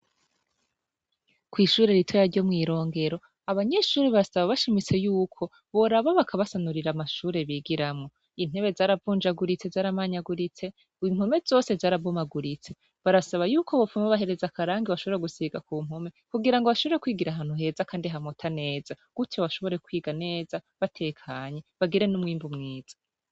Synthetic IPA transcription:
kwiːʃuːɾe̞ɾitʰo̞jaɾɟo̞mŋiːɾo̞ːŋɡe̞ɾo̞ | aβaɲe̞ʃuːɾiβaɾasaβaβaʃimit͡se̞juːkʰo̞ | βo̞ɾaβaβakʰaβasanuɾiɾamaʃuːɾe̞βiːɡiɾamŋo̞ | in̥he̞βe̞zaːɾavuːnd͡ʒaɡuɾit͡se̞zaːɾamaɲaɡuɾit͡se̞ | im̥hume̞zo̞ːse̞zaːɾavomaɡuɾit͡se̞ | βaɾasaβajuːkʰo̞βofumaβaɦe̞ɾe̞zakaɾaːŋɡiβaʃoβo̞ɾeɡusiɡakuːm̥ome̞kuɡiɾaŋɡoβaʃoβo̞ɾekwiːɡiɾaɦaːn̥huɦe̞zakaːndiɦamotʰane̞ːz̥a | ɡ̥utʰjoβaʃo̞βo̞ɾe̞kwiːɡane̞ːzaβatʰe̞ːkʰaːɲe̞βaɡiɾe̞numŋiːmbumŋiːz̥ḁ

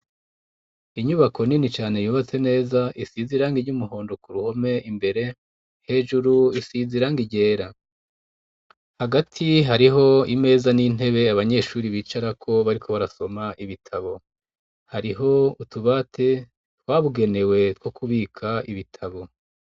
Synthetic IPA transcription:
iɲuβakʰo̞ninit͡ʃaːne̞juːβat͡se̞ne̞ːzaʔisiziɾaːŋɡiɲɟumuɦo̞ːndo̞kuɾuho̞me̞imbe̞ɾe̞ | he̞ʒuɾuisiziɾaːŋɡiɟe̞ːɾa | haɡatʰiɦaɾiɦo̞ime̞ːzanin̥e̞βe̞aβaɲe̞ʃuːɾiβiːt͡ʃaɾakʰo̞βaɾikʰo̞βaɾaso̞maʔiβitʰaβo̞ | haɾiɦo̞utuβatʰe̞ | twaːβuɡe̞ne̞we̞twokuβiːkʰaiβitʰaβo̞

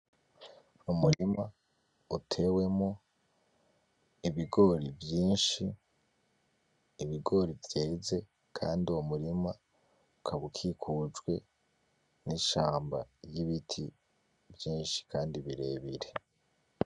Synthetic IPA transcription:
umuɾima | utʰe̞we̞mo | iβiɡo̞ɾivjiːnʃi | βiɡo̞ːɾivjeːze̞ | kʰa̰ːndiumuɾima | ukʰaβukʰikʰud͡ʒɡwe̞̰ | niʃaːmba̰jiβitʰi | vjiːnʃi̥kʰaːndiβiɾe̞ːβiɾe̞

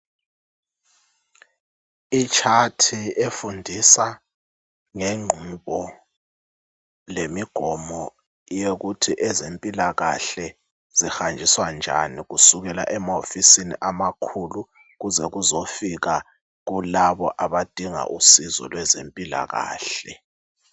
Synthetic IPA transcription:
it͡ʃʰatʰiefundʱisa | ŋeŋ͡ǃʱuɓɔ | lemiɡ̥ʱɔmɔ | jeɣutʰiʔɛzempʼilaɣa̰ɬɛ | z̥ixand͡ʒʱiswand͡ʒʱa̰niɣusuɣɛla̰ʔɛmaofisinḭʔamakʰulu | ɣuzɛɣuzofiɣa | ɣulaβɔʔaβad̥ʱiŋa̰ʔusizɔ̰lwɛzempʼila̰ɣa̰ːɬɛ

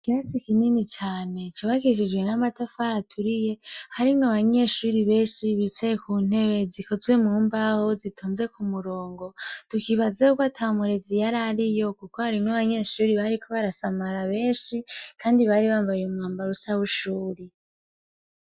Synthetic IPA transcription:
kiasikininit͡ʃaːne̞t͡ʃuβakiʃ̬id͡ʒwe̞namatafaɾatʰuɾije̞haɾiŋɡaβaɲe̞ʃuːɾiβe̞ːnʃiβit͡ʃekun̥e̞ɾe̞ziko̞zwe̞muːmbahozitʰoːnze̞kumuɾo̞ːŋɡo̞tukiβazaukoatʰamuɾezijaɾaɾijo̞kukohaɾiŋaβaɲe̞ʃuːɾiβaɾikʰo̞βaɾasamaɾaβe̞ːnʃikʰaːndiβaɾiβaːɱvajumŋwaːmbaɾusaβuʃuːɾi

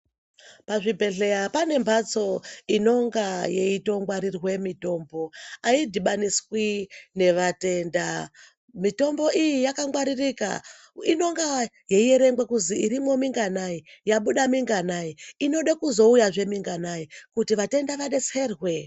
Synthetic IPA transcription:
paʐibʱe̞ɮejapane̞mbʱat͡so̞ino̞ŋɡaje̞ito̞ŋɡwaɾirwe̞mito̞ːmbo̞aidʱiɓaniswine̞ʋate̞nda | mito̞mbo̞ijijakaŋɡwaɾirika̰ | ino̞ŋɡaje̞ije̞ɾe̞ŋɡwekuziiɾimo̞miŋɡanaijaɓuɗamiŋɡanaiino̞ɗakuzo̞ujaʐe̞miŋɡanaikutiʋate̞ndaʋaɗe̞t͡serwe̞

